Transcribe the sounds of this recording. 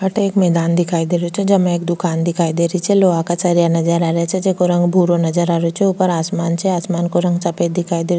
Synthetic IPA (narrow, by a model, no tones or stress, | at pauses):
ɐʈeeːkmɛːd̪aːnd̪ɪkʰaːid̪eːɾot͡ʃʰɛd͡ʒɐmẽeːkd̪ʊkaːnd̪ɪkʰaːid̪eːɾit͡ʃʰɛloːakat͡ʃɐɾijanɐd͡ʒəɾaːɾet͡ʃʰɛd͡ʒekoɾɐ̃ŋɡbʱuːɾonɐd͡ʒəɾaːɾot͡ʃʰɛupəɾaːsmaːnt͡ʃʰɛaːsmaːnkoɾɐ̃ŋɡt͡ʃɐped̪ɪkʰaːid̪eːɾ